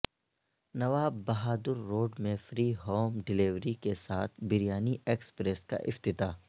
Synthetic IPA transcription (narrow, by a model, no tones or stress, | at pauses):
nɐʋaːbːɐɦaːd̪ʊɾːoːɖmẽfɾiːɦoːmɖɪliʋɾikesaːt̪ʰbɪɾjaːniʔeːkspɾeska̰ʔɪ̰ft̪ɪt̪aː